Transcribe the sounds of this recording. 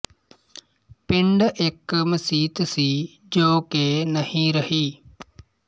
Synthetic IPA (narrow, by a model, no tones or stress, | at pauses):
pɪɳɖekməsiːt̪siː | d͡ʒoːkenəhĩɾəhiː